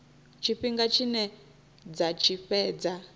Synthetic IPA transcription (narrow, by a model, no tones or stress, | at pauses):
t͡ʃʰiɸiŋɡat͡ʃʰinɛ | d͡zat͡ʃʰiɸɛːd͡za